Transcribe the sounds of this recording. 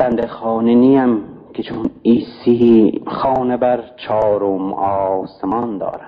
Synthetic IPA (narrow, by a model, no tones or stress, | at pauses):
b̥ænd̪exɑːniniæmkʰet͡ʃʰuniːsixɑːnebæɾt͡ʃʰɑːɾomɒsemɑnd̪ɒ̰ːɾæ̥